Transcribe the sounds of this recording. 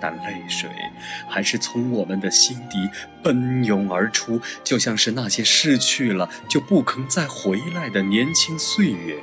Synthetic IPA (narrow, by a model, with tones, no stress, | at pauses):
t̪a̰˨˩nle˥˩ɪʂwḛ˨˩˦ɪxa˧˥ɪʂɻ̩˥˩t͡sʰʊ˧˥ŋwɔ˨˩mə˨nd̪ə˧ɕi˥nt̪i˧˥ | pə˥njʊ˧˥ŋə˞˧˥ʈ͡ʂʰu˥t͡ɕjo˥˧ʊɕjɑ˥˧ŋʂɻ̩˥˧na˥˩ɕjɛ˥ʂɻ̩˥˧t͡ɕʰy˥˩lə˩ | t͡ɕjo˥˧ʊpu˥˩kʰɤ˧˥ŋt͡sa˥˩ɪxwe˧˥ɪla˧˥ɪd̪ə˩njɛ˧˥nt͡ɕʰi˥ŋswe˥˧ɪɛ˨˩˦